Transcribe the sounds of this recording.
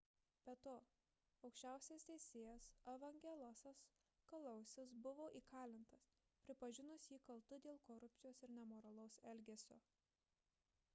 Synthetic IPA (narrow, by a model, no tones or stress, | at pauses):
b̥ʲɛt̪oː | ɐʊkʃʲt͡ʃʲæˑʊsʲeːst̪ʲɛɪsʲeːjɛsɐʋɐŋʲɡʲɛlˠɐsɐs | kɐlˠɐʊsʲɪs̬bʊʋoːʔiːkʰɑːlʲɪnt̪ɐs | pʲɾʲɪpɐʒʲɪnʊsjiːkɐlˠt̪ʊd̪ʲeːlˠkoɾʊpʲt̪ʲɪjoːsɪɾnʲɛmoːɾɐlˠɐʊsɛlʲɡʲeːsʲo̰ː